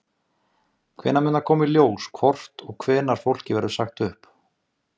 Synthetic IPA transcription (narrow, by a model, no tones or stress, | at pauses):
kʰv̥ɛ̰ːnːamʏːnakʰɔːmiljoːwskʰvɔr̥t̪ɔɣkʰvɛːnaɾ̥fowl̥cɪvɛɾðʏsaxt̪ʏhp